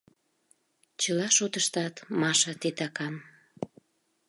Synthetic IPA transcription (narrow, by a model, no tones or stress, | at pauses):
t͡ɕəlɑʃot̪əʃt̪ɑt̪mɑʃə̆t̪et̪ɑkɑn